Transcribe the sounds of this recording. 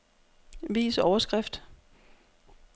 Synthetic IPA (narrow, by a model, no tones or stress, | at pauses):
ʋḭːsɒʊɐsɡ̥ʁafd̥